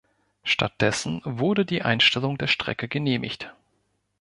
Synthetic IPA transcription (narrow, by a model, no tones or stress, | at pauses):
ʃta̰t̚d̥ɛsn̩vʊɐdədiːʔa̰ɪnʃtɛlʊŋdeːɐʃtʁ̥ɛ̰kəɡəneːmʔɪ̰çt